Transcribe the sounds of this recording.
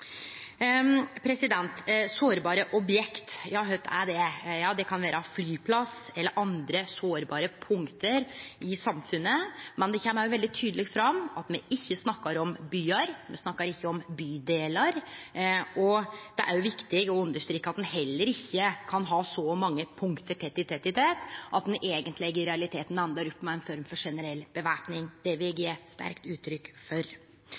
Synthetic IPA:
pʰɾɛsɪd̪ɛnt̪soːɾbɑːɾəʔɔbjɛkt̪jæhɑɾhøt̪æ̰ɖɛjɑːd̪ɛkʰɑnʋæːɾəflyːpʰlɑsɛlːəɾʔɑnd̪ɾəsoːɾbɑːɾəpʰʊŋkt̪əɾɪsɑmfʉnːəmɛnd̪ɛçɛməmæɪjʊʋɛld̪ɪt̪ʰyːd̪əlɪːɡ̪fɾɑmɑt̪mɛʔɪçːəsnɑkːəɾɔmbyːəɾmɛ̰snɑkːɑɾɪçːəɔmbyːd̪eːləɾ | ʔɔd̪̥ɛʔæ̰ɾjʊʋɪkt̪ɪɡɔʉnd̪əʂt̪ɾiːkːəɑt̪̚d̪ɛnɦɛlːəɾɪçːəkʰɑnɦɑːsɔmɑŋːəpʰʊŋkt̪əʈʰɛt̪ɪt̪ʰɛt̪ɪt̪ʰeːt̪ʔɑt̪̚d̪ɛnʔeːɡənt̪lɛɡːəɾɛɑlɪt̪ʰeːt̪n̩ænd̪əɾɔpːmæɪɛnfɔɾmfɔʂɛnəɾɛlːb̥əʋæɾpnɪŋd̪̥ɛʋɪɡeːst̪æ̰ɾkt̪ʉːt̪ʰːɾʏkːfɔɾ

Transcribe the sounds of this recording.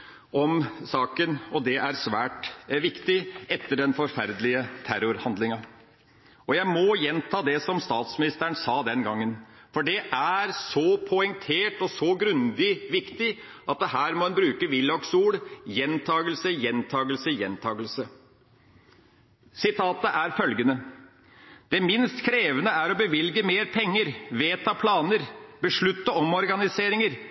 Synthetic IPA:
ɔmsɑːkənɔd̪ɛʔæɾsʋæːʈʋɪkt̪ɪɛt̪ːəɖɛnfɔɾfæɾd̪lɪət̪ʰæɾʊɾhɑnd̪lɪŋɑ | ɔjæɪmɔjɛnt̪ʰɑːd̪ɛsɔmst̪ɑːt̪smɪnɪst̪æɳsɑːd̪ɛnɡɑŋːən | fɔɖɛʔæɾsɔpʰɔɛŋt̪ʰeːʈɔsɔɡɾʉnd̪ɪʋɪkt̪ɪ | ɑt̪̚d̪ɛɦæːɾmɔɛnbɾʉːkəʋɪlːɑksuːɽjɛnt̪ʰɑːɡəlsəjɛnt̪ʰɑːɡəlsəjɛnt̪ʰɑːɡəlsə | sɪt̪ʰɑːt̪əʔæɾfœlɡənə | d̪̥ɛmɪnst̪kʰɾeːʋənəæɾɔbəʋɪlɡəmeːɾpʰɛŋːəɾʋeːt̪ʰɑpʰlɑːnəɾbəʂɭʉt̪ːəɔmɔɾɡɑnɪseːɾɪŋəɾ

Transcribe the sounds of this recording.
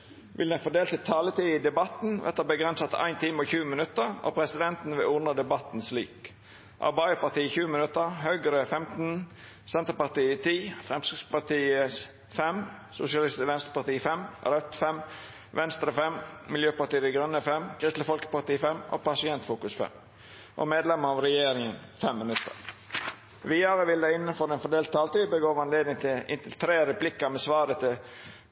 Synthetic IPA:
ʋʔɪ̰ld̪ɛnfɔd̪eːlt̪ɪt̪ʰɑːlət̪ʰiɪd̪ɛbɑt̪n̩ʋɛ̰t̪əbəɡʁɛnsət̪æ̰ɪnt̪ʰɪməɔçʉːəmɪnʉt̪əʁo̰pʰɾɛsɪd̪ɛnt̪n̩ʋɪlʊnəd̪ɛbɑt̪n̩slḭːk | ʔɑ̰bɑɪəpɑʁt̪iːəçʉːəmɪnʉt̪əhœʏɡəɾəfɛmt̪n̩ | sɛnt̪əpɑʁt̪iːət̪ʰiːfʁɛmskʁɪspɑʁt̪iːəs | fɛmsʊ̰sɪɑlɪst̪əʋɛnst̪ɾəpɑʁt̪iːfɛmɾœt̪fɛm | ʋɛnst̪ɾəfɛmmɪljøːpɑʈ̪iːəd̪ɛɡɾœnːəfɛmkʰɾɪst̪ləfɔlkə̥pɑt̪iːfɛmːʔo̰ːpɑsɪɛnt̪fuːkʉsfɛ̰m | ʔo̰ːmeːd̪lɛməɾɑʋɾɛjeːɾɪŋənfɛmːɪnʉt̪ːə̰ɾ | ʋiːɑɾəʋɪlːəɪnːənfɔɾɛːnfɔd̪eːlt̪ʰːɑːlt̪iːbəɡoːʋɑnleːd̪nɪŋt̪ʰɪlɪ̰nt̪əlt̪ʰɾeːɾəplɪkːəmɛːsʋɑːɾət̪ʰɪ

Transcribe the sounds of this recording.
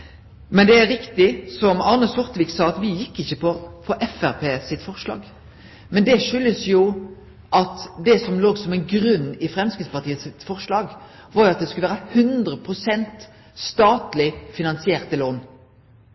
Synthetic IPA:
mɛnd̪ɛæɾɪkt̪ɪsɔmɑnəsɔʁt̪əʋiːksɑːɑt̪ʋɪjɪkːɪçəpɔfɔʔɛfæʁpʰeːsɪt̪fɔʁʂlɑ̰ːɡ | mɛnd̪ɛʃʏlːəsjʊ | ʔɑt̪d̪ɛsɔmloːɡsɔmɛɪnɡɾʉnːɪfɾɛmskɪt̪spɑʁt̪ʰiːət̪sɪt̪fɔʁʂlɑːɡ | ʋɑɾjʊɑt̪̚d̪ɛskʉləʋæːɾəhʉnd̪ɾəpʰʁʊsɛnt̪ | st̪ɑːt̪lɪfɪnɑnsɪeːʁt̪əloːn

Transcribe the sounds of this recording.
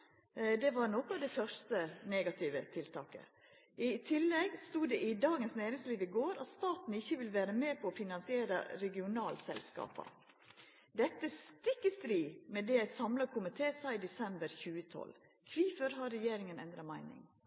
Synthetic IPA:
d̪ɛʋɑɾnɔkʊɑd̪ɛfœʂt̪əneːɡɑt̪ʰɪʋət̪ʰɪlt̪ʰɑ̰ːkə̰ | ʔɪt̪ʰɪlːɛɡst̪uːd̪ɛʔɪd̪ɑːɡənsneːɾɪŋsliːʋɪɡoːɾɑ̰t̪st̪ɑːt̪n̩ɪçːəʋɪlʋæːɾəmeːpʰɔːfɪnɑnsɪeːɾə̰ɾɛɡɪʊnɑːlsɛ̰lskɑ̰ːpɑ̰ | d̪ɛt̪ːəst̪ɪkːəst̪ɾiːmɛd̪ɛjæɪsɑmlɑkʰʊmɪt̪ʰeːsæɪɪd̪ɛsɛmbəɾçʉːət̪ʰɔ̰l | kʰʋiːfəɾɦɑɾːɛjeːɾɪŋənɛnd̪ɾɑmæɪnɪ̰ŋ

